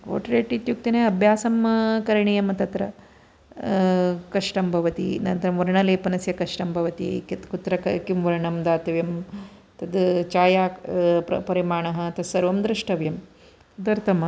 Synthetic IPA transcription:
o̰ːʈɐɾeːʈit̪juk̚t̪ineɐbʱjaːsɐmkɐɾɳijɐmɐt̪ɐt̪ɾɐ̰ | kɐʂʈɐmbʱɐʋɐt̪ḭnɐnt̪ɾɐmʋɐɾɐɳɐleːpɐnɐsjɐkɐʂʈɐmbʱɐʋɐt̪ḭk̪kut̪ɾɐkɐkimʋɐɾɐɳɐmd̪aːt̪ɐʋjɐmt̪ɐd̪t͡ʃaːjaːpɐ̰pɐɾimaːɳɐɦɐt̪ɐsɐɾʋɐmd̪ɾɨʂʈɐʋjɐm | d̪ɐɾt̪ʰɐmɐ

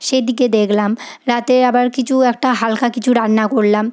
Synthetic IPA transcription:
ʃed̪iked̪ekʰlamɾat̪eɾabaɾkit͡ɕʰuɛk̚ʈaɦalkakit͡ɕʰuɾanːakoɾlam

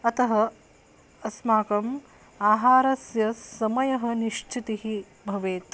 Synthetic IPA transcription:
ɐt̪ɐɦɐ | ɐsmaːkɐm | aːɦaːɾɐsjɐsɐmɐjɐɦɐniʃt͡ʃʰit̪iɦi | bʱɐʋeːt̪

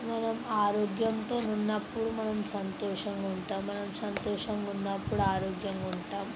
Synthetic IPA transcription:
mɐnɐmaːɾoːɡjɐnt̪o̞ːnunːɐpːuɽumɐnɐmsɐnt̪ɔːʂɐŋɡauɳʈaːmːɐnɐmsɐnt̪ɔːʂɐŋɡunːɐpːuɽuaːɾoːɡjɐŋɡuɳʈaːm

